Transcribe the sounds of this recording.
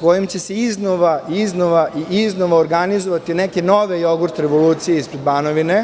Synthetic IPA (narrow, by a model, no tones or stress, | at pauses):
kojimt͡ɕeseiznoʋaiznoʋaʔiiznoʋoːɾɡanizoʋat̪inekeno̞ʋe̞jo̞ɡuɾt̪ɾeʋo̞luːt̪sijeispɾed̪baːnoʋine